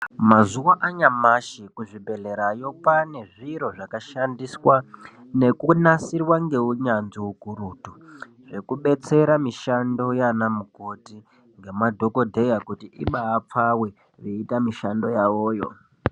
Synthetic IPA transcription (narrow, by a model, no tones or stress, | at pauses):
mazuwaʔaɲamaʃikuʐibʱe̞ɮe̞ɾajo̞pane̞ʐiɾo̞ʐakaʃandiswa | ne̞kunasirwaŋɡe̞uɲand͡ziuɡʱuɾutu | ʐe̞kuɓe̞t͡se̞ɾamiʃando̞janamuko̞ti | ŋɡe̞madʱo̞ko̞dʱe̞jakutiʔḭɓaːp͡fawe | reitamiʃando̞jaʋoːjo̞̰